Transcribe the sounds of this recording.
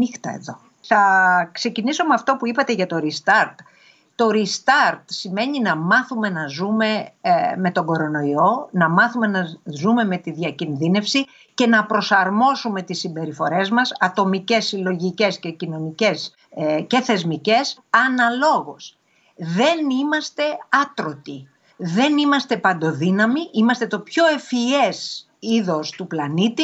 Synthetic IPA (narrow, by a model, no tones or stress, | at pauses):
ixt̪ɐ̰ḛðo̞ | θɐkse̞ciniso̞meɐft̪o̞puipɐt̪e̞ʝɐt̪o̞ɾist̪ɐɾt̪ | t̪o̞ɾist̪ɐɾt̪sime̞ɲinɐmɐθume̞nɐzume̞me̞t̪o̞ɡo̞ɾo̞no̞io̞nɐmɐθume̞nɐzume̞me̞t̪iðʝɐcinðine̞fsi | ce̞nɐpɾo̞sɐɾmo̞sume̞t̪isːimbe̞ɾifo̞ɾe̞zmɐsɐt̪o̞micesilo̞ʝice̞sce̞cino̞nice̞s | ce̞θe̞zmice̞sɐnɐlo̞ɣos | ðe̞nimɐst̪e̞ɐt̪ɾo̞t̪i | ðe̞nimɐst̪e̞pɐnd̪o̞ðinɐmiʔimɐst̪e̞t̪o̞pço̞e̞fie̞s | iðo̞st̪uplɐnit̪i